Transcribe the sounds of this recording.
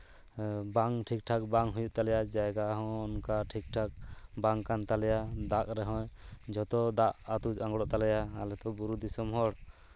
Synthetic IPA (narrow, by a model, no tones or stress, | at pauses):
baŋʈʰik̚ʈʰak̚baŋɦujuʔ̚t̪alɛjad͡ʒajɡaɦɔ̃nkaʈʰik̚ʈʰak̚baŋkant̪alɛjad̪aʔɾɛɦɔ̃jd͡ʒɔt̪ɔd̪aʔat̪ud͡ʒaŋɡɽɔʔt̪alɛjaalɛt̪ɔbuɾud̪isɔmɦɔɽ